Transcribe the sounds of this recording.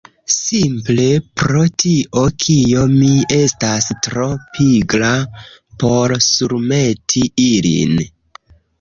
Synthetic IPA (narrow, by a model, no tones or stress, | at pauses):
simple̞pɾo̞tiʔo̞kʰio̞mie̞stastɾo̞pʰiɡlapo̞ɾsuɾme̞tʰiilḭn